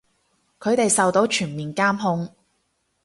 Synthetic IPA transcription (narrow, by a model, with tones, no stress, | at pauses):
kʰɵ˨˧ɥt̪e˨jsɐ˨wt̪o˨˥wt͡ʃʰyː˨˩nmiː˨˩nkaː˥mɦʊ˧ŋ